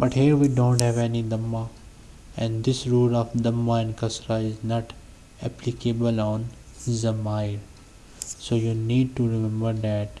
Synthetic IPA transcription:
b̥ɐʈhiːɾʋiːɖõːnʈhɛʋɛnid̪ɐmːa | ɛ̃nɖd̪ɪsɾuːlɔfd̪ɐmːaɛ̃nkʌsɾaɪznɔʈ | ɛplikebəlɔ̃ːn | zɐmaɪɾ | soːjuniːɖ̚ʈuɾɪmɛ̃mbəɾd̪æʈ̚

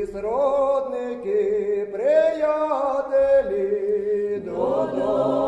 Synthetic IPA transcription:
sɾoːd̪nekipɾeːjaɦd̪eːli | d̪od̪u

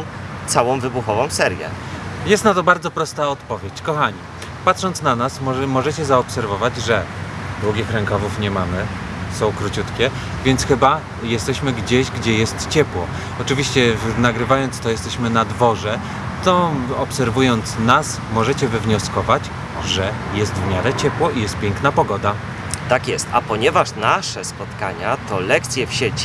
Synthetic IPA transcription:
t̪sawɔ̃w̃vɘbuxɔvɔ̃w̃sɛɾjɛ̰jɛst̪nat̪ɔbaɾd̪zɔpɾɔst̪aɔt̪pɔvʲjet͡ɕkɔxaɲi | pat̪ʂɔnt̪snanasmmɔʐɛt͡ɕɛzaɔpsɛɾvɔvad͡ʑʐɛd̪wuɡʲixɾɛŋkavufɲɛmamɘ | sɔ̃w̃kɾut͡ɕut̪kʲɛ | vʲjɛnt̪sxɘba | jɛst̪ɛɕmɘɡd͡ʑeʑɡd͡ʑɛjɛst̪t͡ɕɛpwɔ | ɔt͡ʂɘvʲiɕt͡ɕɛnaɡɾɘvajɔnt̪st̪ɔjɛst̪ɛɕmɘnad̪vɔʐɛ | t̪ɔɔpsɛɾvujɔnt̪snas | mɔʐɛt͡ɕɛvɛvɲɔskɔvat͡ɕ | ʐɛjɛst̪vmʲjaɾɛt͡ɕɛpwɔʔijɛst̪̚pʲjɛŋknapɔɡɔd̪a | t̪akʲjɛst̪a̰pɔɲɛvaʂnaʂɛspɔt̪kaɲat̪ɔlɛkt̪sʲjɛfɕet͡ɕi̥

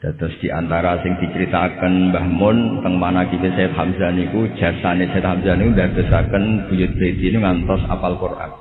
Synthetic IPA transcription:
d̥at̪ʊsd̥iʔa̰nt̪aɾasɪŋd̥it͡ʃəɾit̪akənbahmʊnt̪əŋmanakit̪esaət̪̚hamzanikud̥d͡ʒ̥a̤sanesat̪̚hamzanikundard̪̥ə̤sakənb̥ujʊt̪̚b̥et̪inuŋant̪ɔsa̰palpurʔa̰k̚

